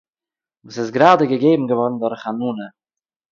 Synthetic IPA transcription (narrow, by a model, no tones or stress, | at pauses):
vuːsɪsɡɾaːdəɡəɡeɪbm̩ɡəvɔɾn̩dʊɾχanuːnə